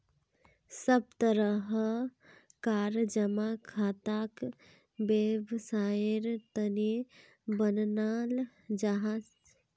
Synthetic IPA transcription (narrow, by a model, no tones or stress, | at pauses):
səb̚t̪əɾəɦ | kaːɾd͡ʒəmakʰaːt̪ak | bebsaːɪɾt̪əne | bənnaːl | d͡ʒaɦas